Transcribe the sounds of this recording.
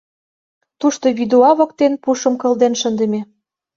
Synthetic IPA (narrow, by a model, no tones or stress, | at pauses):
t̪uʃt̪oβid̪uɑβɤ̆k̚t̪enpuʃə̆mkɤ̆ld̪enʃə̆nd̪ə̆mʲe